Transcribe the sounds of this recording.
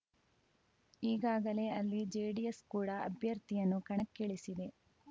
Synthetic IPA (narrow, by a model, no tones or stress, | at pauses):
iːɡaːɡɐle̞ɐlːid͡ʒeːɖieskuːɽɐɐ̰bʱjɐɾt̪ijɐnːukɐɳɐkːeɭisid̪e̞